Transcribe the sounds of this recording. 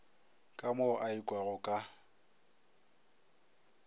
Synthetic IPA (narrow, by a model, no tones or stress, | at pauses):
kʼamʊʔaikʼwaɣʊkʼa